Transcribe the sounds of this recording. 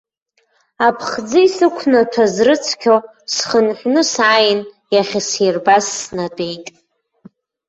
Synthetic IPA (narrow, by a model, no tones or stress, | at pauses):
apʰχd͡zɨisɨkʷʰnatʰazrɨt͡sʰkʲʰo | sχənħʷnɨsʕajɪn | jaχʲaserbasːnadʼe̞jtʼ